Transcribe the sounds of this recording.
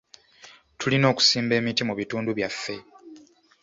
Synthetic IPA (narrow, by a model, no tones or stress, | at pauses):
tʰulino̞ːku̥siːmbe̞ːmitimuβituːnduβjafːe̞